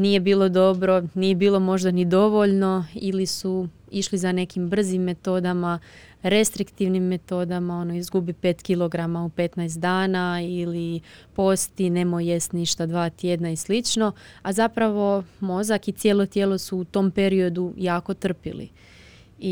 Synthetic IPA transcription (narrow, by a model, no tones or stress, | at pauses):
nije̞biːlo̞d̪o̞bɾo̞nije̞biːlo̞mo̞ʒd̪anid̪o̞ʋo̞ʎno̞ilisu | iʃlizane̞kimbr̩zimːe̞t̪o̞d̪ama | ɾe̞st̪ɾikt̪iʋnimːe̞t̪o̞d̪amao̞noizɡubipe̞ːt̪kilo̞ɡɾamaupe̞t̪najst̪d̪aːnailipo̞st̪ine̞mojjest̪niʃt̪ad̪ʋaːt̪jed̪naislit͡ʃno̞azapɾaʋo̞mo̞zakit̪sjelˠo̞t̪jeːlˠo̞suːt̪o̞ːmpe̞ɾio̞d̪ujaːko̞t̪r̩pḭlḭ